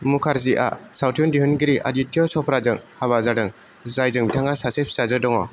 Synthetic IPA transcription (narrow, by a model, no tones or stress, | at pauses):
mukʰaɾziʔa̰sawtʰiɔndiɦɯnɡiɾiʔa̰ditʰːiɔsɔpʰɾazɯŋhaβazadɯŋ | zajzɯŋbitʰaŋasasep̚ʰsazɯdɔŋɔ